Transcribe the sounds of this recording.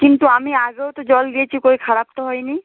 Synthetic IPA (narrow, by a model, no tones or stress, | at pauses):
kint̪uamiaɡewt̪ɔd͡ʒɔld̪ijet͡ʃʰikoikʰaɹap̚t̪ɔɦɔjni